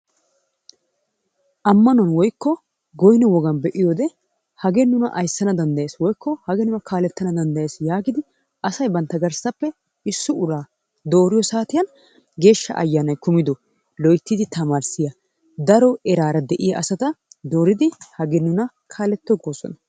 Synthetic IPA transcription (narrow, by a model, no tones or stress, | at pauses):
ʔɐmːɐnʊɐnwɔjkːɔ | ɡɔjnɔwɔɡɐnbɛʔɪjoːd̪ɛ | hɐɡɛnʊnɐ̰ʔɐjsːɐnɐd̪ɐnd̪ɐjeːswɔjkːɔhɐɡɛnʊnɐkʰaːlɛt̪ːɐnɐd̪ɐnd̪ɐjeːsjaːɡɪd̪ɪ | ɐsɐjbɐnt̪ːɐɡɐɾsɐpːɛ | ɪsːʊʊɾaː | d̪o̞ːɾɪjɔsaːt̪ɪjɐn | ɡe̞ːʃːɐ̰ʔɐ̰jːaːnɐjkʊmɪd̪ɔ | lɔjt̪ːid̪ɪt̪ɐmaːɾsɪjɐ | d̪ɐɾɔɛɾaːɾɐd̪ɛʔɪjɐʔɐsɐt̪ɐd̪o̞ːɾɪd̪ɪhɐɡɛnːʊnɐ | kʰaːlɛt̪ːɔɡoːsɔ̰nɐ